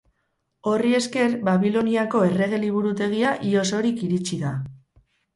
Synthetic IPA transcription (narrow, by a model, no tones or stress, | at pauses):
o̞rie̞ske̞ɾbaβilo̞niako̞e̞re̞ɣ̞e̞liβ̞uɾut̪e̞ɣ̞iaʔio̞so̞ɾikiɾit͡ʃiða